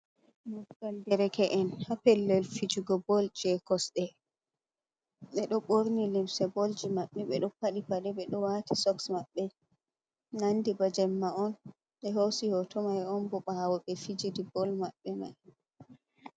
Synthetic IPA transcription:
mɔɡaldɛɾɛkɛʔɛnhapɛlːɛlfid͡ʒuɡɔbɔld͡ʒɛkɔsɗɛ | ɓɛɗɔɓoɾnilimsɛbold͡ʒimaɓːɛɓɛ̰ɗɔpaɗipaɗɛɓɛɗɔwatisɔksmaɓːɛ | nandibad͡ʒɛmːaɔn | ɓɛɦosihɔtɔmajɔnbɔɓawɔɓɛfid͡ʒidibɔlmaɓːɛma̰j

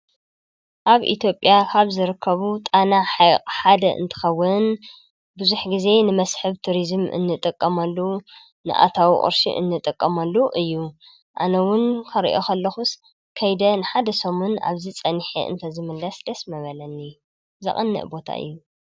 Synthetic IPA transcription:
ʔaβʔḭt̪ʰjo̞pʼjakʰaβzɨɾɨkʰːɐβut̪ʼanaħajqʼħad̪ɐʔɨ̰nt̪ʰɨ̥xɐwːɨn | bɨzuħɡize̞nɨmɐsħɨβt̪ʰuɾizmʔɨ̰nːɨt̪ʼɨkʼːɐmɐlːu | nɨ̰ʔa̰t̪ʰawiχʼɨ̰ɾʃḭʔɨ̰nːɨt̪ʼɨkʼːɐmɐlːuʔɨjːu | ʔanɐwʊnkʰɐɾḭʔo̞kʰɐlːɐxus | kʰɐjd̪ɐnɨħad̪ɐsomuna̰βzit͡sʼɐnħḭʔɨ̰nt̪ʰɐzɨmɨlːɐsd̪ɐsmɐβɐlɐnːi | zɐ̰χʼɨnːɨ̰ʔbo̞t̪ʰa̰ʔɨ̰jːu

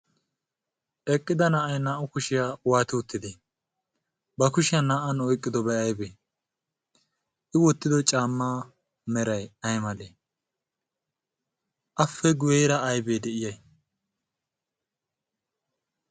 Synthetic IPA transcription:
ʔɛkʼːɪd̪ɐnaʔɐjnaːʔʊkʊʃɪjaːwaːt̪ɪʊt̪ːɪd̪e | bɐkʊʃɪjanaːʔɐnɔjkʼːɪd̪ɔbɛɐjbeː | ʔɪwɔt̪ːɪd̪ɔt͡ʃʼaːmːaː | mɛɾɐjɐjmɐle | ʔɐfːɛɡʊjeːɾɐːjbeːd̪ɛʔɪjɐj

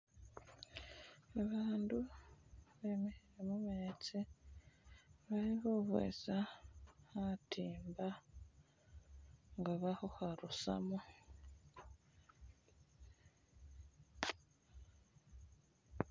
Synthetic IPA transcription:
aβaːndu | βe̞ːmeheɾemumet͡se | βaɾiβoβḛsahatʰiːmba | ŋɡaβahohaɾusa̰mo

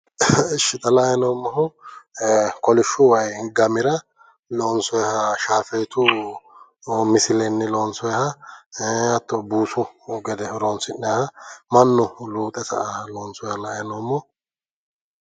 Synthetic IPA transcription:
ʃɪt̪ʼɐlɐjɛnoːmːɐhʊ | kɔlɪʃːʊwɐjɡɐmɪɾɐ | lɔnsɔjhɐʃaːfɛjt̪ʊ | mɪsɪlɛnːɪlɔːnsɔjhɐ | ɐt̪ːɔbuːsʊɡɛd̪ɛɾoːnsɪnːɛhɐmɐnːʊluːt̪ʼɛsɐ̰loːnsɔjhɐlɐjnoːmːɔ

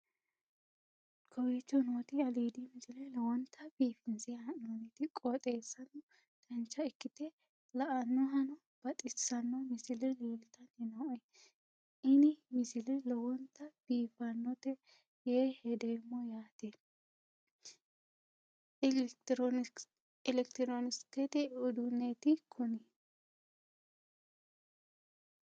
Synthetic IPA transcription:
kʰɔwet͡ʃːɔnoːt̪ɪɐliːd̪imɪsɪlɛlɔwɔnt̪ʰːɐb̥iːfɪnsɪɐnonɪt̪ɪkʼɔt̪ʼeːsːɐnɔ | tɐnt͡ʃːɐɪkːɪt̪ɛ | lɐʔɐnːɔɦɐnɔ | b̥ɐt̪ʼɪsɐnːɔmɪsɪlɛliːlt̪ɐnɪnɐɔ | ʔɪnɪmɪsɪlɪlɔwɔnt̪ɐb̥iːfɐnːɔt̪ɛ | jeːhɛd̪eːmːɔjaːt̪ɛ | lɛkt̪ɾɔnɪst̪ɛt̪ɛʊd̪ʊnːet̪ɪkʰʊnɪ

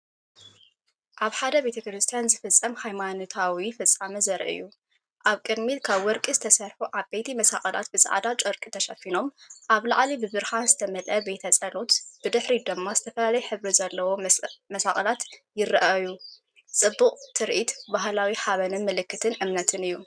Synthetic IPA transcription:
ʔaβħad̪ɐbe̞t̪ʰɐkɾɨst̪ʰijanzɨfɨt͡sʼːɐmhajmanot̪ʰawifɨt͡sʼːamɐzɐɾʔɨ̰ju | ʔaβkʼɨd̪milkʰaβwɔɾkʼizɨt̪ʰɐsɐɾħuʔaβbet̪ʰimɐsa̰χʼɐla̰t̪̚bɨza̰ʕ̰d̪at͡ʃʼɐɾkʼit̪ʰɐʃɐfino̞mʔaβla̰ʕlibɨbɨɾhanzɨt̪ʰɐmɐlʔɐbet̪ʰɐt͡sʼɐlo̞t̪b̥ɨd̪ɨħɾid̪ɨmːazɨt̪ʰɐfɐlalɐjħɨβɾizɐlːɐwo̞mɐsaxʼɐlat̪jɪrɐʔaju | t͡sʼɨbːuqʼt̪ʰɨɾʔit̪baɦlawiħaβɐnɨnmɨlɨkːɨt̪ʰɨnʔɨmnɐt̪ʰɨnɨjːu

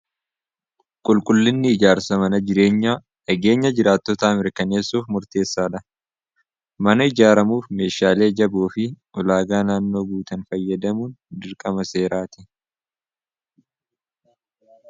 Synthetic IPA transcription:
kʼʊlkʼʊlːɪnːɪːd͡ʒaːɾsɐmɐnɐd͡ʒɪɾe̞ːɲːaː | ʔɐɡe̞ːɲːɐd͡ʒɪɾaːt̪ːɔt̪ɐːmɪɾkɐne̞ːsːuːfmʊɾt̪e̞ːsːaːᶑɐ | mɐnɐɪd͡ʒaːɾɐmuːfme̞ːʃaːle̞ːd͡ʒɐbuːfɪʔɔlaːɡaːnaːnːo̞ːɡuːt̪ɐnfɐjːɐd̪ɐmuːnd̪ɪɾkʼɐmɐse̞ːɾaːt̪ɪ̥

